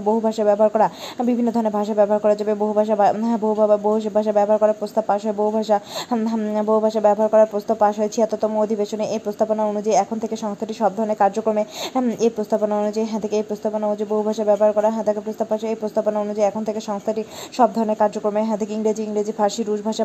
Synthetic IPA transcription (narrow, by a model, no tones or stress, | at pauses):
boɦubʱaʃabɛboɦaɾkɔɾabibʱinːod̪ʱɔɾoneɾbʱaʃabɛboɦaɾkɔɾad͡ʑɔbeboɦubʱaʃ̬aboɦubʱboɦubʱaʃ̬abɛboɦaɾkɔɾaɾpɾost̪abpːaʃɦoeboɦubʱaʃa | boɦubʱaʃabɛboɦaɾkɔɾaɾpɾost̪abpaʃɦoet͡ɕʰiat̪ot̪ɔmood̪ʱibeʃoneʔepɾost̪aponaonud͡ʑaiɛkʰont̪ʰekeʃɔŋst̪ʰaʈiʃɔb̚d̪ʱɔɾoneɾkaɾd͡ʑokɾomeepɾost̪aponaonud͡ʑajɦɛ̃t̪ʰekeejpɾost̪aponaoud͡ʑaiboɦubʱaʃabɛboɦaɾkɔɾaɦt̪ʰekepɾost̪apːaʃepɾost̪aponaonud͡ʑajɛkʰont̪ʰekeʃɔŋst̪ʰaʈiʃɔb̚d̪ʱɔɾoneɾkaɾd͡ʑokɾomeɦɛ̃t̪ʰekeiŋɾed͡ʑiiŋɾed͡ʑifaɾʃiɾuʃbʱaʃa